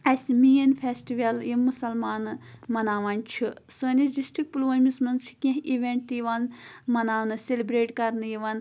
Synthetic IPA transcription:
ɐsʲmiːjɐnfʰʲeːsʈiʋɐljimːusɐlmaːnmɐnaːʋɐnʲt͡ʃʰisəːnisdisʈɾik̚puluʋɐːnʲmismɐnsʰi̥kʲĩɦiʋʲeɳʈ̚t̪jiʋanmɐnaːʋnɨsʲelibɾeːʈkɐɾnɨjiʋɐn

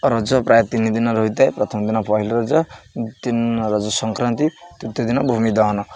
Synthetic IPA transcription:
ɾʌd͡zʌprajat̪inːid̪inʌɾʌɦut̪ajprʌt̪ʰʌmd̪inapʌɦilɾʌd͡zʌt̪inɾʌd͡zʌsʌŋkɾant̪it̪ut̪jod̪inʌbʱumid̪ʌɦnʌ

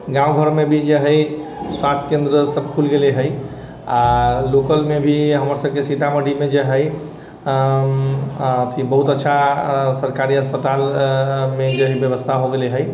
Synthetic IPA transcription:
ɡãũɡʱəɾmebʱid͡ʒeɦəjswast̪ʰkẽnd̪ɾəsəbkʰulɡeleɦəj | alokəlmebʱiɦəməɾsəb̚kesit̪aməɽʱimed͡ʒeɦəj | t̪ʰibəɦut̪ətːʃʰasəɾkaɾiəspət̪almed͡ʒeɦibjəβəst̪ʰaɦoɡeleɦəj

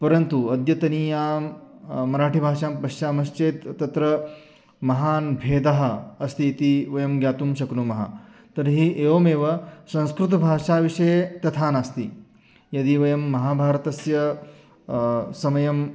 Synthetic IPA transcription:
pɐɾɐnt̪uɐd̪jɐt̪ɐniːjaːmmːɐɾaːʈibʱaːʃaːmpɐʃjaːmɐʃt͡ʃeːt̪ːɐt̪ɾɐ | mɐɦaːnbʱeːd̪aɦɐ̆ɐst̪iːt̪iʋɐjɐmɡjaːt̪umʃɐknumɐɦɐ̰t̪ɐɾɦiʔeːʋoːmeːʋɐsɐ̃ñskɾut̪̬ɐbʱaːʂaːʋiʂɐjet̪ɐt̪ʰaːnast̪i | jɐd̪iʋɐjɐmːɐɦaːbʱaːɾɐt̪ɐsjɐ | sɐmɐjɐm

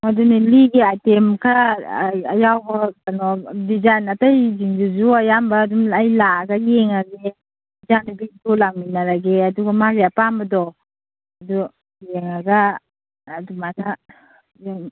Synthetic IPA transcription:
maduniliɡiajtemkʰa | ajawbɔkanɔdizajnatajziŋd͡ʒuzuajambaːdumajlaɡajeŋaɡe | izanubitulaŋminaɾaɡeaduɡamaɡeapambɐdɔ | adu | jeŋaɡaː | dumakʰa | jaŋ

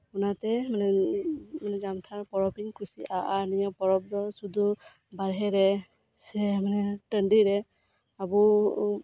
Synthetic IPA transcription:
unatɛmanɛ | manɛzamt̪ʰaɹpɔɹɔpiŋkusḭʔaʔanijɔpɔɹɔp̚dɔsud̪u | baɹɦɛɾɛ | sɛmanɛtəndiɾɛ | abu

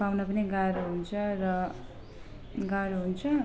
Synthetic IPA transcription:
pawnʌpʌniɡaɾoɦunt͡sʰʌɾʌ | ɡaɾoɦunt͡sʰʌ

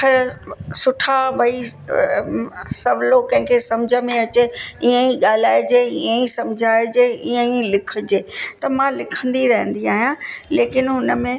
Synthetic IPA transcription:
kʰɐɾsʊʈʰabʱɐi | sɐʋlokɐ̃ɦɪ̃kʰesɐmd͡ʑʱəmẽɐt͡ɕeiːə̃iɠaːlaːed͡ʑeiə̃isɐmd͡ʑʱaːed͡ʑeːiːə̃ilɪkʰə̆d͡ʑeːt̪ɐmãlɪkʰə̃nd̪iɾɐɦə̃nd̪iaːɦijãleːkɪnɦʊnə̆mẽ

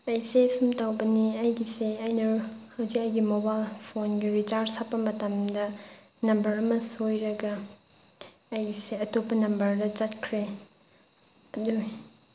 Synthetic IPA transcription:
ɐjsesumtawbɐniɐjɡiseɐjnɐhɐwzikɐjɡimobajlpʰonɡiɾit͡ʃaɾɾsapːɐmɐtɐmdɐ | nɐmbɐɾɐmɐsojɾɐɡɐ | ɐjɡiseɐtopːɐnɐmbɐɾdɐt͡ʃɐtkʰɾe | ɐdu

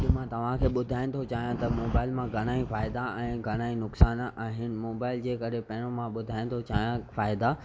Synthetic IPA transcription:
ɗɪmãt̪ɐʋ̤ãkʰeːɓʊd̪ʱaːɪñɪ̆t̪ʰot͡ɕaːɦijãt̪ɐmoːbaːɪlmãɡʱɐɽ̃aːĩfaːɪd̪aɛ̃ːɡʱɐɽ̃aːĩnʊksaːnʔaːɦɪnɪ̆moːbaːɪld͡ʑeːkɐɾepɐ̃ɦɪ̃ɽ̃õmãɓʊd̪ʱaːɪ̃ñɪ̆t̪ʰot͡ɕaːɦijãfaːɪd̪a

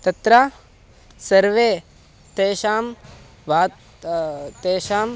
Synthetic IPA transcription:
t̪ɐt̪ɾɐ | sɐɾʋeː | t̪eːʃaːm | bʱaːt̪ | t̪eːʃaːm

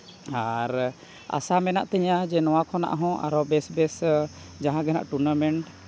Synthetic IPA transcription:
aɾ | a̰samɛna̰ʔt̪ɛɲad͡ʒɛnɔwakʰɔna̰ʔɦɔ̃ʔa̰ɾɔbɛsbɛs | d͡ʒaɦãɡɛna̰ʔʈuɾnamɛɳʈ

